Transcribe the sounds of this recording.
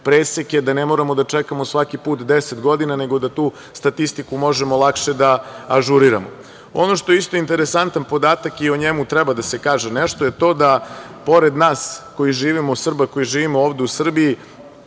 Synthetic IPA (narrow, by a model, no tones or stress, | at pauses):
pɾeːsekjed̪anemoɾamo̞d̪at͡ʃekamo̞sʋakipuːt̪d̪eset̪ɡo̞d̪inane̞ɡo̞d̪at̪uː | st̪at̪ist̪ikumo̞ʒemo̞lˠakʃe̞d̪aaʒuɾiɾa̰mo̰ | o̞no̞ʃt̪oeist̪o̞int̪e̞ɾesant̪anpo̞d̪aːt̪akioɲemut̪ɾɛbad̪asekaːʒeneʃt̪o̞je̞t̪o̞d̪a | po̞ɾe̞d̪naːsko̞jiʒiːʋimosr̩bako̞jiʒiːʋimooːʋd̪eusr̩bii